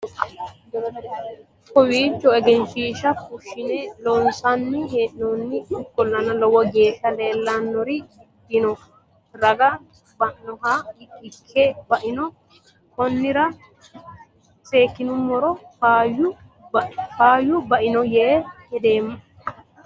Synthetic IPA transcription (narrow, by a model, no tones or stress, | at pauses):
kɔwiːt͡ʃːɔɛɡɛnʃiːʃɐfʊʃːɪnɛlɔnsɐnːɪheʔnonːɪɪkːɔlːɐnɐlɔwɐɡe̞ːʃɐleːlːɐnːɔɾɪɪbːɪnɔ | ɾɐɡɐ | bɐʔːɔɦaɪkʰːebɐʔɪnɔ | kɔnːɪɾɐ | se̞ːkːɪnʊmːɔɾɔfaːjʊ | faːjʊbɐʔɪnɔjehɛd̪eːmːɐ